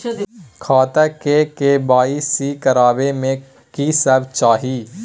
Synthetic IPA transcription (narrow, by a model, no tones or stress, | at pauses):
kʰaːt̪əkekebaːisikəɾaːʋemẽ | kisəbt͡ʃaːɦiː